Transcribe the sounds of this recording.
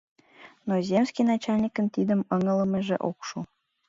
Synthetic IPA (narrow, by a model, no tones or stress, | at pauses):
nozʲemsʲkʲijnɑt͡ɕɑlʲnʲikənt̪id̪əmɤŋə̆ləmeʒḛʔokʃu